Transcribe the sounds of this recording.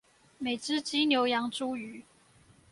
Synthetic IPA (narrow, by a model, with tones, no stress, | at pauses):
me˨˩ɪʈ͡ʂɻ̩˥t͡ɕi˥njo˧ʊjɑ˧˥ŋʈ͡ʂu˥˦y˨˩˦